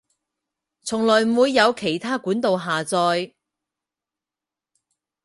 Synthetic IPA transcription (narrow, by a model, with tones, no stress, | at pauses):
t͡sʰʊ˨˩ŋlɔː˨˩jm̩˨wuː˨˧jːɐ˨˧wkʰe˨˩jt̪ʰaː˥kuː˨˥nt̪o˨˧wɦaː˨˩t͡sɔː˧j